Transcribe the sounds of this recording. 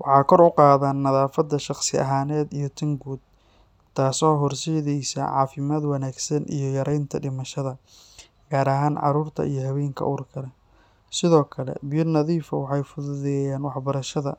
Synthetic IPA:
wɑħɑːkʰɔɾʊqɑːðaːnːɐðaːfɐd̪ːɐʃɑqsɪɐ̰ɦaːnɛːd̪ijɔt̪ʰɐŋɡuːd̪̚ | t̪ʰaːsɔːɦɔrsɛːðɛjsa̰ʕɑ̰ːfɪmaːd̪wɑnaːɡsɐnʔḭjɞjɐɾɛjnt̪ʰɐɖɪmɐʃɐðɐ | ɡ̥aːɾɐɦaːnʕɑ̰ɾuːrt̪ʰɐ̰ijɞɦɐβɛːŋkʰɐ̰ʔuːrkʰɐlɛ | sɪðɔːkʰɐlɛ̰bɪjʊnɐðiːfɐwɑħɑjfʊðʊðɛjaːnwɑħbɐɾɐʃɐðɐ̰

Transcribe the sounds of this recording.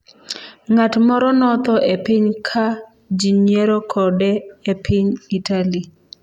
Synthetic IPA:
ŋatmɔɾɔnɔt̪ɔʔepɪɲkʰa | d͡ʒiɲjeɾokʰɔdɛepʰɪɲitali

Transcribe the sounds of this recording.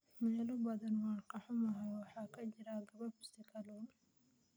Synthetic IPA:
mɛːlʊbɐðɐnwɑːnqɑħʊmɐɦɛjwɑħɑːkʰɐt͡ʃɪɾaːɡɐβɐrbʊst̪ɪkʰɐlɔn

